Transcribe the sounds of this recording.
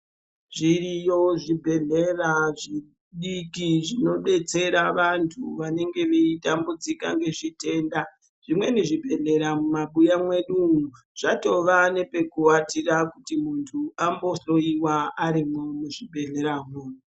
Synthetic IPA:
ʐirijoʐibʱe̞ɮe̞raʐi | ɗikiʐino̞ɓe̞t͡se̞ɾaʋantʰuʋane̞ŋɡe̞ʋeitambud͡zika̰ŋɡe̞ʐite̞ːnda | ʐ̥imwe̞niʐibʱe̞ɮe̞ɾamumaɓujamwe̞ɗuu | ʐ̥ato̞ʋane̞pe̞kuatirakutimuntʰuambo̞so̞iwaaɾimomuʐibʱe̞ɮe̞ɾamuːu

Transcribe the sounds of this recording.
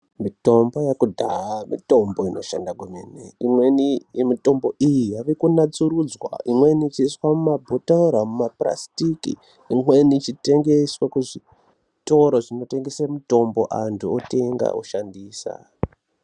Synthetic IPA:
mito̞mbo̞jakudʱaamḭto̞mbo̞ino̞ʃa̰ndakumenḛimwenijemito̞mbo̞ʔijijaʋekunat͡suɾud͡zwa̰imwenit͡ʃiswamumabʱotaɾamumapra̰stikḭː | mwe̞nit͡ʃite̞ŋɡe̞swakuʐi | to̞ɾoʐino̞te̞ŋɡeseramuto̞mbo̞̰ʔantʰuote̞ŋɡa̰o̰ʃandiːsa̰

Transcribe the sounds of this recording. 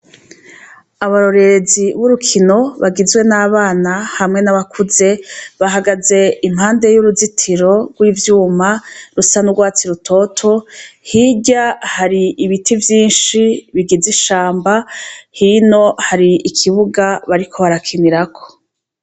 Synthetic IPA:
aβaɾo̞ɾe̞ɾeziβuɾukʰino̞βaɡizwe̞naːβaːnahamŋe̞naβakʰuze̞βaɦaɡaze̞imhaːnde̞juɾuzitʰiɾo̞ɡwiːvjuːmaɾusanuɡwaːt͡siɾutʰo̞tʰo̞hiɟahaɾiiβitʰivjiːnʃiβiɡiziʃaːmbahino̞haɾiikʰiβuɡaβaɾikʰo̞βaɾakʰiniɾakʰo̞̥

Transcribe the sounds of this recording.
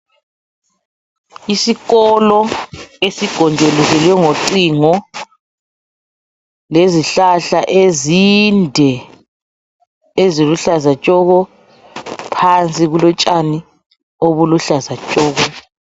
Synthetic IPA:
isiɣɔlɔesiɡ̥ʱɔndʱeluzɛlwɛŋoǀiŋɔ | leziɬaɬaʔezindʱɛ | eziluɬazat͡ʃʼɔɣɔ | pʰant͡sʼiɣulɔt͡ʃʼani | oβuluɬazat͡ʃʼɔːɣɔ

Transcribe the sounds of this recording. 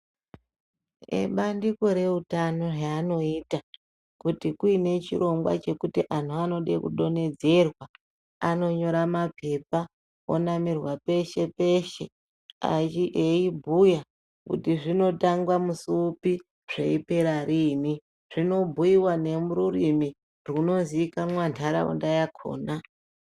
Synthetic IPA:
ḛɓandiko̞ɾe̞utano̞raːno̞ita | kutikuine̞t͡ʃiɾo̞ŋɡwa̰t͡ʃe̞kutiʔan̤uano̞ɗḛkṵɗo̞ne̞d͡ze̞rwa | ano̞ɲo̞ɾamapʰe̞pa | o̰namirwape̞ʃe̞pe̞ʃe̞ | a̰t͡ʃiʔeibʱuja | kṵtiʐino̞taŋɡwamusuːpi | ʐ̥ḛipe̞ɾaɾimi | ʐ̥ino̞bʱujiwane̞muɾurimi | runo̞nziːkamwantʰaɾa̰ṵndajakʰo̰ːna

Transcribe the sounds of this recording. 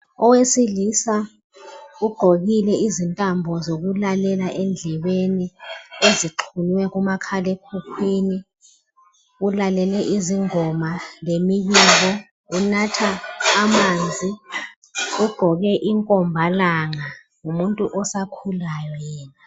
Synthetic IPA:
ɔwesilisa | uɡ͡ǃ̥ʱoɣilɛizintʼambʱɔzok̬ulalɛlaʔɛnd͡ɮʱɛɓenieziǃʰuniwɛk̬umakʰalɛkʰukʰwini | ulalɛlɛʔiziŋɔmalemiɓiːlɔ | unatʰaːmaːnd͡zʱi | uɡ͡ǃ̥ʱɔɣ̬ɛʔiŋkʼɔmbʱalaŋa | ŋumuntʼuʔɔsakʰulajɔjɛːna

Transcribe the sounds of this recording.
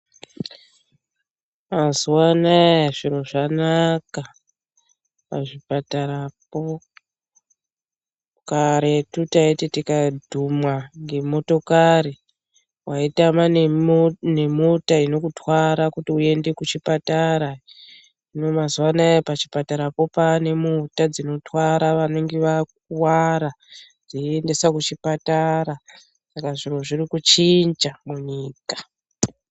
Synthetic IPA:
mazuwanajaʐiɾo̞ʐanaka | paʐipataɾapo | kaɾetutaetitikadʱumwaŋɡe̞mo̞to̞kaɾi | waitama | ne̞mutaino̞kutwaɾakutiue̞nde̞kut͡ʃipataɾa | ino̞mazuwanajepat͡ʃi̥pataɾapo̞pane̞mutad͡zino̞twaɾaʋaneŋɡeʋak | waɾa | d͡ziende̞sakut͡ʃipataɾa | sakaʐiroʐirikut͡ʃind͡ʒamuɲiːkḁ

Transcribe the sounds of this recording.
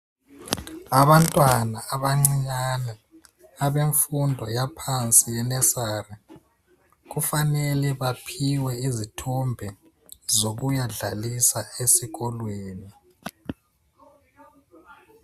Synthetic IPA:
aβantʼwanaːβaŋ͡ǀiɲanɛ | aβeɱfundʱɔjapʰant͡sʼijɛnɛsaːrɛ | ɣufanɛlɛβapʰiwɛizitʰumbʱɛ | zoɣujaɮalisaesiɣɔlweːni

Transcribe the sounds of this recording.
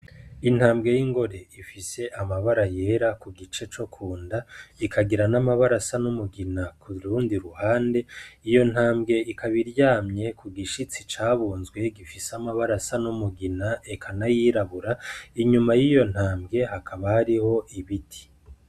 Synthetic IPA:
in̥haːmbɡe̞jiŋɡo̞ɾe̞ifise̞ʔamaβaɾaje̞ɾakuɡit͡ʃe̞t͡ʃo̞kʰuːndaikʰaɡiɾanamaβaɾasanumuɡinakʰuɾuːndiɾuhaːnde̞ijo̞n̥haːmbɡe̞ikʰaβiɾɟaːmɲe̞kʰuɡiʃit͡sit͡ʃaːβuːnzɡwe̞ɡifiseamaβaɾasanumuɡinaekʰanajiɾaβuɾaiɲumajiːjo̞n̥haːmbɡe̞ɦakʰaβahaɾiho̞ʔiβitʰi̥

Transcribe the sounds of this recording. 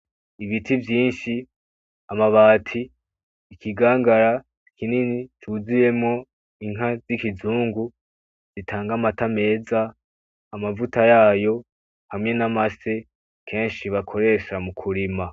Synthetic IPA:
iβitivjiːnʃi | amaβaːtʰiː | kʰiɡaːŋɡaɾa | kʰininitʰuzije̞mŋo̞ | iŋ̥ɦazikizuːŋɡu | z̥itʰaːŋɡamatame̞ːzaː | mavutajaːjo̞ | hamŋe̞namase̞ | kʰe̞ːnʃiβakʰo̞ɾe̞ːʃamukʰuɾima

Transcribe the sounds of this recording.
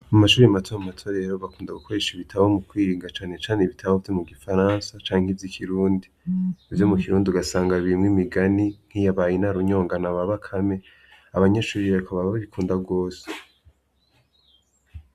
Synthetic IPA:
amaʃuːɾimatʰoamumatʰoɾe̞ɾoβakuːndaɡukʰo̞ɾe̞ʃiβitʰaβaomukwiːɾiːŋɡat͡ʃaːne̞t͡ʃaːneβitʰaβaovjomuɡifaɾansat͡ʃaːŋ̥hivjikʰiɾuːndiːvjo̞mukiɾuːndiuɡasaːŋɡaβimŋemiɡaniŋ̥hijaβaːjinaɾuɲo̞ːŋɡanaβaβakʰame̞ | aβaɲaʃuːɾiakʰaβaβaβaβikʰuːndaɡo̞ːse

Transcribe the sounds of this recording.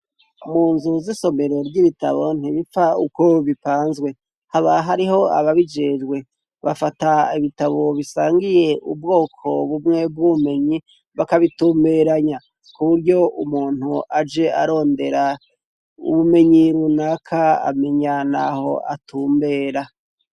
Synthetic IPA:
muːnzuziso̞me̞ɾo̞ɾɟiβita̰βo̞n̥iβifauko̞βipaːnzɡwe̞ | haβaɦaɾiɦo̞a̰βaβid͡ʒed͡ʒɡwe̞ | βafataiβitaβo̞βisaːŋɡije̞ubɡo̞ːkʰo̞βumŋe̞b̚ɡuume̞ɲi | βakaβituːmbe̞ɾaɲa | kuβuɾjo̞ʔumuːn̥huʔad͡ʒe̞aɾo̞ːnde̞ɾa | ṵβume̞ɲiɾunakʰaa̰me̞ɲana̰ho̞̰ʔa̰tuːmbe̞ːɾa

